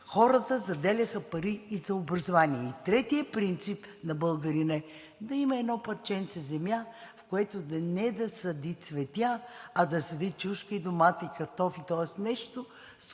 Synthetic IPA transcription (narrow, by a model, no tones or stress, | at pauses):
xɔɾət̪əzɐd̪ɛlʲɐxəpɐɾiːzɐobɾɐzovaniɛit̪ɾɛt̪iəpɾint̪sipnɐbəlˠɡɐɾinɛ | d̪ɐimɐɛd̪nɔpɐɾt͡ʃɛnt̪sɛzɛmjafkoɛt̪od̪ɐnɛd̪ɐsɐd̪isvɛt̪jaɐd̪ɐsɐd̪it̪̚t͡ʃuʃkəid̪omat̪ikɐɾt̪ɔfit̪ɔɛsnɛʃt̪o | s